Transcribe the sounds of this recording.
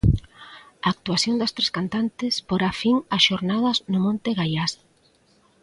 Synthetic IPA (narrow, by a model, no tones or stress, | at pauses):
aːk̚t̪uaθjond̪ɐst̪ɾeskant̪ant̪ɪspoɾafiŋɐsʃoɾnaðɐznʊmõnt̪eɣajas